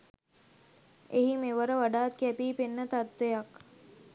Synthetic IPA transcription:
eɦimeʋəɾəʋaɖaːt̪̚kæpiːpenːət̪at̪ʋejak

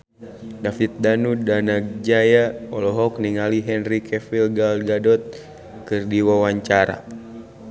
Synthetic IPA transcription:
dafit̪̚danudanaɡ̚d͡ʒajaɔlɔɦɔk̚niŋaliɦɛnrikɛfilɡalɡadɔt̪̚ | kɨrdiwawaɲt͡ʃaɾa̰

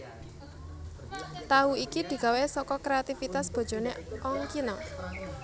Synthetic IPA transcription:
t̪auikid̪̥i̤ɡ̥a̤wesɔkɔkɾeat̪ifit̪asb̥ɔ̤̥d͡ʒ̥ɔ̤neɔŋkinɔ

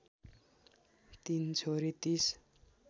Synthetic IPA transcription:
t̪int͡sʰoɾit̪is

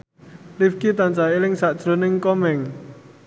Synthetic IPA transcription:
lifkit̪ant͡ʃaelɪŋsaʔd̥ʒ̥ɾo̤nɪŋkɔmɛŋ

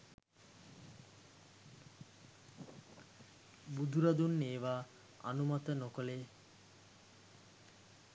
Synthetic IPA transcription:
bud̪ʱuɾad̪unːeːʋaː | a̰numat̪ənokole

